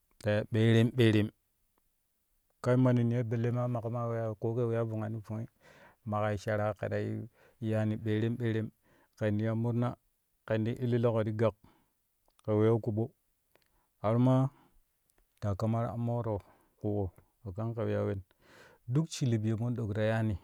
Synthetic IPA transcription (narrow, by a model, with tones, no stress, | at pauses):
ta˨ja˨ɓe˨ɾe˦mɓe˨ɾe˨m | ka˦i˦ma˨ni˨ni˨je˦be˨le˦ma˦ma˨ka˦ma˦we˦ja˦˨ko˦ke˦we˦ja˦vu˨ŋa˨ni˦vo˨˦i˦ | ma˨ka˨i˨ʃa˨ɾa˦kḛ˨ɗa˨ḭ˦ | ja˦ni˨ɓe˨ɾe˦mɓe˦ɾe˦m | ke˨ndi˦ja˦mu˦ɾna˦ | ke˨ndi˦ʔi˦lːi˦lo˦ko˨ɾi˦ɡa˨k | ke˨we˨˦ja˦ku˨ɓo˦ | a˨ɾu˦ma˦ | d̥a˨ka˦ma˦ɾa̰˨mo˦ɾo˨ | ku˨ko˨ | o˨ka˦nke˨wja˦we˦n | du˦kt͡ʃi˨li˨bi˨je˨mo˦n˦ɗo˨kɾa˨ja˦ni˨